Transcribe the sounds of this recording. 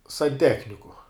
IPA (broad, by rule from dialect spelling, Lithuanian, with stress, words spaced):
sɐnʲˈtʲæːxʲnʲɪkʊ